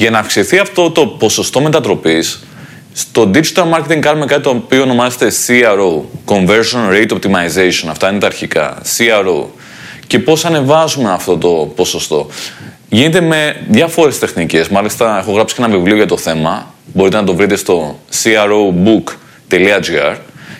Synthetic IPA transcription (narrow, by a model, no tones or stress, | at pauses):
ʝɐnɐːfksiθiɐft̪o̞t̪o̞po̞so̞st̪o̞me̞t̪ɐt̪ɾo̞pisː | t̪o̞d̪id͡ʒit̪ɐlmɐɾce̞t̪iŋɡkɐnume̞kɐt̪it̪opioːno̞mɐzet̪e̞siɐɾoko̞ɱve̞ɾsonɾejt̪o̞p̚t̪imɐizesio̞nɐft̪ɐinet̪ɐːɾçikɐ̰siɐɾo̰ | ce̞po̞sɐne̞vɐzume̞ɐft̪o̞t̪o̞poso̞st̪o̞̰ | ʝinet̪e̞me̞ðʝɐfo̞ɾe̞st̪e̞xnice̞zmɐlist̪ɐe̞xoɣɾɐpsi̥enɐvivlio̞ʝɐt̪o̞θe̞mɐ | bo̞ɾit̪enɐt̪̬o̞vɾit̪e̞st̪o̞siɐɾobuk | t̪e̞liɐd͡ʒiɐ̰ɾ